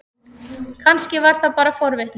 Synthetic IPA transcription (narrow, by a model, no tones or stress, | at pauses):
kʰanscɪvaɾ̥θapaːɾafɔɾvɪht̪n